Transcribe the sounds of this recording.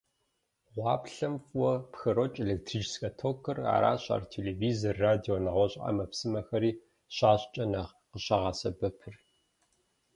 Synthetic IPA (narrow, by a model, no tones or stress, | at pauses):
ʁʷɑːpɬɐmfwɔpxɨɾot͡ʃʼelek̚tʰriːt͡ʃskʼɐtʰokʰɨra̰ːɾa̰ːɕʼa̰ːrtʰeːleːviːzɐrːaːdioːnɐʁʷɔɕʼa̰ːmɐpsɨmɐxɐɾiː | ɕaːɕt͡ʃʼɐnɐʁ | qəɕɐʁɑːsɐbɐpʰɨr